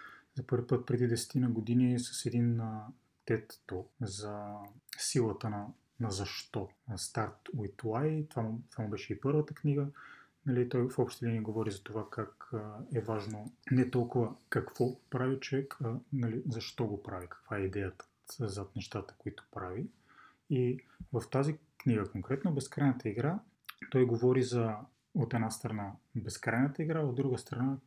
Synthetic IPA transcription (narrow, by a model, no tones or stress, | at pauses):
zɐpɤɾvʲipɤt̪̚pɾɛd̪id̪ɛsɛ̥t̪inəɡod̪inisɐ̥sɛd̪in | t̪ɛt̪ːozɐsilˠət̪ənɐ | nɐzɐʃt̪ɔst̪aɾt̪uit̪lˠajt̪ovamt̪ovamubɛʃɛipɤɾvət̪əkniɡə | nɐlit̪ɔjfɔpʃt̪ɛlinɛɡovɔɾizɐt̪ovakakɛvaʒnonɛt̪ɔlˠkʊvəkɐkvɔpɾavit͡ʃovɛkənɐlizɐʃt̪ɔɡopɾavikɐ̥kvaɛid̪ɛjət̪ə̥ | zat̪nɛʃt̪at̪ə̥koit̪ʊ̥pɾavi | i | vɐft̪azikniɡəkoŋkɾɛt̪nobɛskɾajnət̪əiɡɾa | t̪ɔjɡovɔɾizɐ | ot̪ɛd̪nast̪ɾɐnabɛskɾajnət̪əiɡɾaːod̪d̪ɾuɡəst̪ɾɐna